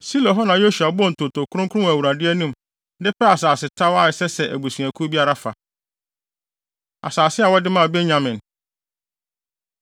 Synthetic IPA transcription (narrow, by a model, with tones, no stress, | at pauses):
si˦lɔ̃˨ɦɔ˦nã˨jo˦ʃu˨a˨bʊ˦ɔ̃˦n̩˨tʰo˨tʰo˨kʰʊ˦ɾʊ̃˦kʰʊ˦ʊ̃˦wæ˨wu˨ɾa˨dɪ˦ɛ˦nũ˦m | dɪ˦pɛ˦a˨saː˨sɪ˨tʰa˦wa˦ɪ˨sɛ˦sɛ˨ʔæ˨bu˨si˨æ̃˨kʰu˦bi˦a˦ɾa˨fa˨ | a̰˨saː˨sɪ˦a˨wɔ˦dɪ˦mã˦˨bɛ˦ɲã˨mɪ̃˨n